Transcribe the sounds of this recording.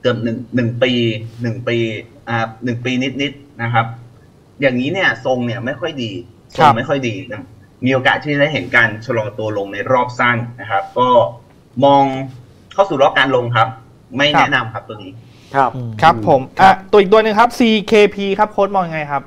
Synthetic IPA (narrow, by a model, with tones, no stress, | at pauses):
k̪ɯ˨˩əp̚nɯ˨˩ŋnɯ˨˩ŋpiː˧nɯ˨˩ŋpiː˧ʔaː˨˩nɯ˨˩ŋpiː˧ni˦˥t̪̚ni˦˥t̪̚na˦˥kʰa˦˥p̚ | jaː˨˩ŋːiː˦˥ni˥˩ɐso˧ŋni˥˩ɐma˥˩jkʰɔ˥˩jdiː˧ | sko˦˧˦ma˥˩jkʰɔ˥˩jdiː˧na˥˩ | miː˧ʔoː˧ka̰ː˨˩t̪ʰːiː˥˩t͡ɕa˨da˥˩jɦe˩˦nkaː˧nt͡ɕʰa˧lɔː˧ŋt̪u˧ɐlo˧ŋna˧jɾɔː˥˩p̚sa˥˩ŋna˦˥kʰa˦˥p̚kɔː˥˩ | mɔː˧ŋ | kʰa˥˩wsuː˨˩ɾlɔː˥˩kaː˧nlo˧ŋkʰa˦˥p̚ | ma˥˩jnɛ˥˦˥na˧mkʰa˦˥p̚t̪u˧əŋiː˦˥ | kʰkʰɾa˦˥pʰːo˩˦mʔaː˧˩t̪u˧˥ʔiː˨˩t̪u˧nɯ˨˩ŋkʰa˦˥p̚siː˧kʰeː˧pʰiː˧kʰa˦˥p̚kʰoː˦˥t̪̚mɔː˧ŋja˧ŋa˧jkʰa˦˥p̚